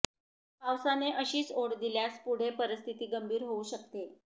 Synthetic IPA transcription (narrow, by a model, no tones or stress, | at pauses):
pawsaneʔəɕiːt͡soɽd̪iljaspuɽ̤epəɾəst̪ʰit̪iːɡəmbʱiːɾɦouːɕək̚t̪e